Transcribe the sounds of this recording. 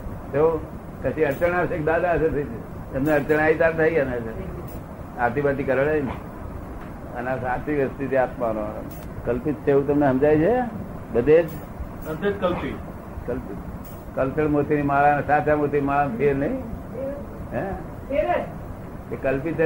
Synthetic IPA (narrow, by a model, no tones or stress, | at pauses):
t̪eũ | kəʃĩəɾt͡ʃəɽ̃aʋʃek̚d̪ad̪aəsəɾt̪ʰəit͡ʃʰe | əmneəɾt͡ʃəɽ̃ait̪aɾt̪ʰaianes | at̪ibat̪ikəɾəɭejne | ənasat͡ʃiʋjəst̪it̪ʰiat̪mano̰ | kəlpit̪̚t͡ʃeũt̪̬əmneɦəmd͡ʒajt͡ʃʰe | bəd̪ed͡ʒ | əd̪ed͡ʒkəlpi | kəlpi | kəlt̪əɽmot̪inimalansat̪ʰamot̪inimalantʰienəĩ | ɦɛ̃ | eɾe | kekəlpit̪